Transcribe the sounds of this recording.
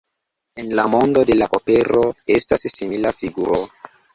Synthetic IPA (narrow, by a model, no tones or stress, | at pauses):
enlamo̞ndo̞de̞laʔope̞ɾo̞e̞stasːimilafiɡuɾo̞